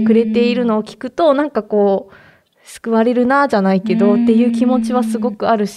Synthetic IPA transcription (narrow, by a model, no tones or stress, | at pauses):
kɯ̟ɾe̞t̪e̞iɾɯ̟no̞ːkʲi̥kɯ̟t̪o̞nãŋkako̞ː | sɨ̥kɯ̟βaɾe̞ɾɯ̟naʑanaike̞d̪o̞t̪ːe̞jɯ̟ːkʲimo̞t͡ɕiβ̞asɨɡo̞kɯ̟aɾɯ̟ɕ